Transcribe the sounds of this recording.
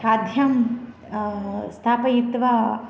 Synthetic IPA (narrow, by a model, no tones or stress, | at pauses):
aːd̪ʱjɐm | st̪ʰaːpɐjit̪ʋɐ